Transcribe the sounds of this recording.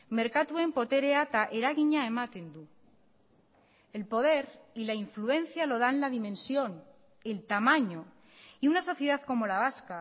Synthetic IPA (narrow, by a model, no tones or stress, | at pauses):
me̞ɾkat̪ue̞mpo̞t̪eɾeat̪aʔeɾaɣiɲaemat̪end̪u | e̞lpo̞ð̞e̞ɾilaiɱfluẽ̞nθjalo̞ð̞anlaðimẽ̞nsjo̞n | e̞lt̪amãɲo̞ | iunaso̞θjeðaðko̞mo̞laβ̞aska